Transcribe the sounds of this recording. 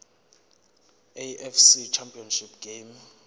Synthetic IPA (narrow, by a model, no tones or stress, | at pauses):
eɛfsit͡ʃʰampʰʼiɔnʃipʰɡ̥em